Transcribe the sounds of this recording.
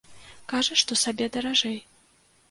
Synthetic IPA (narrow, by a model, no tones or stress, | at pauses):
kaʐɐʂt̪ɔsabʲɛd̪ɐɾaʐɛj